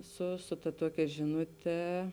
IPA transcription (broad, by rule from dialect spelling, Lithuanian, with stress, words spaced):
ˈsʊ sʊ tɐ ˈtuɔkʲɛ ˈʒʲɪnʊˌtʲɛ